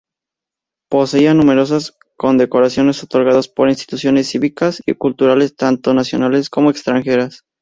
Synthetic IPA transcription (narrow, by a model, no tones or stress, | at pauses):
po̞se̞ianũme̞ɾo̞s̬as | ko̞nd̪e̞ko̞ɾasjo̞ne̞sot̪o̞ɾɣaðospo̞ɾinst̪i̥t̪usjo̞ne̞sːiβikasḭkult̪uɾale̞st̪ant̪o̞nasjo̞nale̞sko̞moekst̪ɾaŋxe̞ɾas